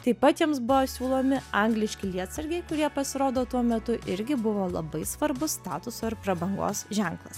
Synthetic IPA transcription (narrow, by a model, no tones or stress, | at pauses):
t̪ɐɪpɐt̪jiɛmsbʊʋoːsʲuːlˠoːmʲɪɐŋɡlʲɪʃʲkʲɪlʲiɛt̪sɐɾʲɡʲɛɪkʊɾʲiɛpɐsʲɪɾoːd̪oːt̪uɔmʲɛt̪ʊʔɪɾʲɡʲɪbʊʋoːlˠɐ̰bɐɪsʋɐɾbʊsst̪ɑːt̪ʊsoːɪɾpɾɐbɐŋɡo̰ːsʒʲæŋklˠɐs